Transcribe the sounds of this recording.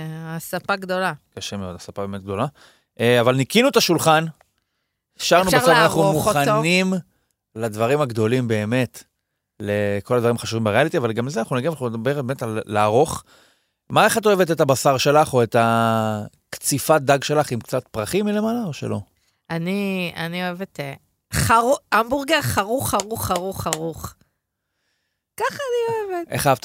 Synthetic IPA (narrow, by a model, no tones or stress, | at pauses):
asapaɡd̪o̞lakaʃemeo̞d̪asapabeme̞t̪̚ɡ̚d̪o̞la | avalnikinuet̪aʃulχan | ʃaʁnubesovanaχnumuannim | lad̪vaʁimaɡd̪o̞limbe̞ːme̞t | leko̞lad̪vaʁimaχaʃuvimbeʁealit̪iavalɡamlezeanaχnunaɡimanaχnuned̪abeʁbemetalːaːʁo̞χ | maeχato̞evet̬etabasaʁʃe̞laχo̞eta | kt͡sifat̚d̪aɡʃe̞laχimkt͡satpʁaχimile̞malaoʃelo̞ | ania̰nioevete | χaʁuambuʁɡaχaʁuχaʁuχaʁuχaʁuχ | kaχanioevetʔḛχaavt